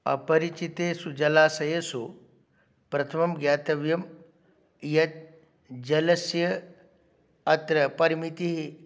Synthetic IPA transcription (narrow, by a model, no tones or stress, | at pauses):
ɐ̰pɐɾit͡ʃit̪eːsud͡ʒɐlaːsɐjesu | pɾɐt̪ʰɐmɐmɡjaːt̪ɐʋjɐm | jɐt̪̚ | d͡ʒɐlɐsjɐ | ɐt̪ɾɐpɐɾmit̪iɦi